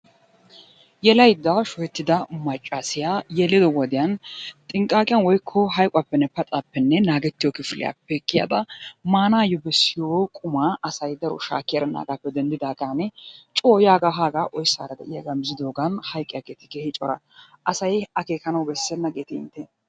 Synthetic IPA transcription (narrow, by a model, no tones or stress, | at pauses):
jɛlɐjd̪ːɐʃɔjɛt̪ːɪd̪ɐmɐt͡ʃʼːasɪjajɛlːɪd̪ɔwɔd̪ɪjɐnt̪ʼɪŋkʼːaːkʼɪjanwɔjkʰːɔɦɐjkʼʊapːɛnːɛpɐt̪ʼapːɛnːɛnaːɡɛt̪ːɪjoːkɪflɪ̰ja̰pːɛkːɪja̰d̪ɐmaːnaːjɔbɛsːɪjoːkʼʊmaːʔɐsɐjd̪ɐɾɔ̰ʃa̰ːkːɪjaɾɐna̰ːɡaːpːɛd̪ɛnd̪ɪd̪aːɡʼanɛt͡ʃʼo̞ːjaːɡaɦaːɡaːʔɔjsːa̰ːɾɐd̪ɛ̰ʔɪjaɡɐmzɪd̪o̞ːɡɐnhɐjkʼːɪjaɡeːt̪ɪkehɪt͡ʃʼɔɾɐ | ʔɐsɐjɐke̞ːkɐnɐwbɛsːɛnːɐɡeːt̪ɪɪ̰nt̪ːɛ